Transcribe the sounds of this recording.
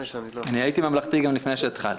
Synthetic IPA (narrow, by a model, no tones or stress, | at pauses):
anihait̪imamlaχt̪iɡamlifnejʃeat̪χa̰l